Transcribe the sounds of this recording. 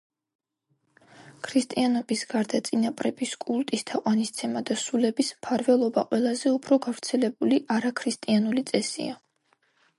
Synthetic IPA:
kʰɾist̪ʼianɔbisɡaɾd̪at̪sʼinapʼɾɛbiskʼulˠt̪ʼist̪ʰaqʼwanist̪sʰɛmad̪asulɛbismpʰaɾvɛlˠɔba̰qʼwɛlˠazɛupʰɾɔɡavɾt̪sʰɛlɛbuliʔaɾakʰɾist̪ʼianulit̪sʼɛsḭa

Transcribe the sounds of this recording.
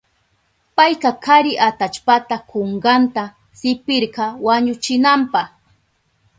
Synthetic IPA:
pajkɑkʰaɾɪʔat̪at͡ʃpat̪akoɴɢɑnt̪a | sɪpɪɾɢɑwaɲʊt͡ʃɪnampɑχ

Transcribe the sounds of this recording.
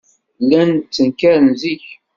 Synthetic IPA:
lːænt͡sːənkæɾənziç

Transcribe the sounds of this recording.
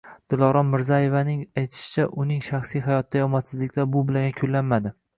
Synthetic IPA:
d̪̥ɪlˠɒɾɒmːɪɾzajevanɪŋajt̪ʰɪ̥ʃɪ̥t͡ʃʰaʔʊnɪŋʃaχsijɦajɒt̪̚ːajɒmɒt̪sɪzlɪkʲlaɾbʊbɪlaŋʲakʲʰʊlːanmad̪ɪ

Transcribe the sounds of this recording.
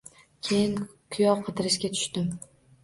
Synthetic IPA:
kʲʰejɪnkʰʊjɒwqʰɨd̪ɪɾɪʃɡʲat̪ʰʊ̥ʃt̪ɪm

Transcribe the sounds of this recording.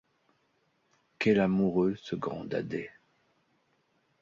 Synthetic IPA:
kɛlamuʁøsəɡʁɑ̰̃d̪a̰d̪ɛ

